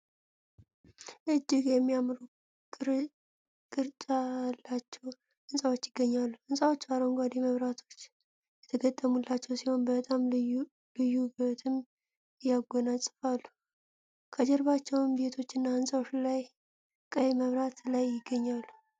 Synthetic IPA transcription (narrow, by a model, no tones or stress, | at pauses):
ʔɨd͡ʒːɪɡjɛmːijamɾu | kʼ | kʼɨɾt͡ʃʼalːat͡ʃːɛw | hɨnsʼawo̞t͡ʃːjɪɡ̥ːəɲːalːuhɨnsʼawo̞t͡ʃːbaɾoŋɡʷad̪iməβɾat̪ʰo̞t͡ʃː | jɛt̪ʰəɡət̪ʼːəmulːat͡ʃːɛwsiho̞nbət̪ʼam | lɨjːubet̪ʰɨm | ɨjaɡɔnasʼɨfalːu | kʰəd͡ʒɛɾβat͡ʃːɛwmbe̞t̪ʰo̞t͡ʃːɨnːahɨnsʼawot͡ʃːlaj | kʼəməβɾat̪lajːɪɡːəɲːalːu